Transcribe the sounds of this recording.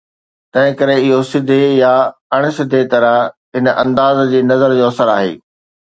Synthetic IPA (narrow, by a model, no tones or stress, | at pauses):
t̪ɐ̃ɦɪ̃kɐɾeɪɦosɪd̪ʱejaɐɽ̃̆sɪd̪ʱet̪ɐɾəɦɦɪnʔɐ̰̃nd̪aːzd͡ʑiːnɐzəɾd͡ʑoːɐsəɾa̰ːɦḛː